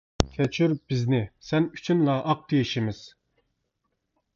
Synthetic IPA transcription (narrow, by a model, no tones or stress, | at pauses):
kʲʰɛt͡ʃʰyɾb̥ɪznɪsɛny̥t͡ʃʰynlˠɑʔɑq̚t̪ʰejiʃimɪz̥